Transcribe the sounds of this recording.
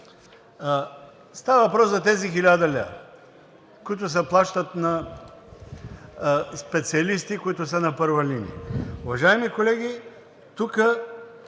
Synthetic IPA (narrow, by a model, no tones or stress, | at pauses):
st̪avɐvɐpɾɔszɐt̪ɛzixilʲad̪ɐlʲɛ̰ | kʊit̪ʊs̬ɛplˠaʃt̪ət̪nɐ | spɛt̪siɐlist̪ikoit̪ʊsənɐpɤɾvɐlinḭɛ̰ʊvɐʒaimikolɛɡ̟ʲi | t̪ukə